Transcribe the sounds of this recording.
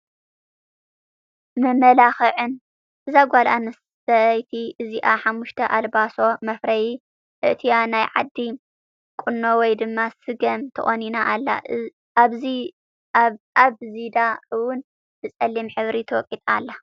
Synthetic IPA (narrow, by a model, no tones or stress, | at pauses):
mɐmɐlaxɨʕɨn | ʔɨzaɡʷalanɨs | ɐʔjt̪ʰiʔɨziʔaħamːuʃt̪ʰɐʔalbaso̞mɐfɾɐji | ʔɨ̰ʔt̪ʰijanajʕa̰d̪ːi | kʼʊnːowɔjd̪ɨmːasɨɡɐmt̪ʰɨχʼoninaʔalːa̰ | βzi | aβzid̪aɨwʊn | bɨt͡sʼɐlːimħɨβɾit̪ʰɨwɔkʼit̪ʼalːa